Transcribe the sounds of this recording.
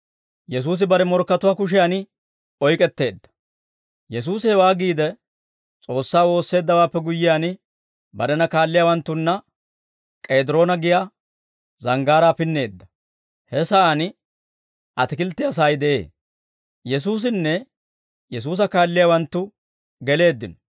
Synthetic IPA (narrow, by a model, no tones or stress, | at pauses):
jɛs̬uːs̬ɪbɐɾɛmɔɾkːɐt̪ʊwaːkʊʃ̬ɪjaːnɪ | ɔjkʼɛt̪ːe̞ːd̪ːɐ̥ | jɛs̬uːshɛwaːɡiːd̪ɛ | t͡sʼo̞ːsːaːwo̞ːsːe̞ːd̪ːɐwaːpːɛɡʊjːɪjaːnɪ | bɐɾɛnɐkaːlːɪjaːwɐnt̪ːʊnːɐ | kʼe̞ːd̪ɪɾo̞ːnɐɡɪja | zɐŋɡaːɾaːpɪnːe̞ːd̪ːɐ | hɛsɐan | ʔɐt̪ɪkɪlt̪ːɪɐs̬ajd̪ɛʔe̞̰ː | jɛs̬uːs̬ɪnːɛ | jɛs̬uːs̬ɐkaːlːɪjaːwɐnt̪ːʊ | ɡɛle̞ːd̪ːɪnɔ̥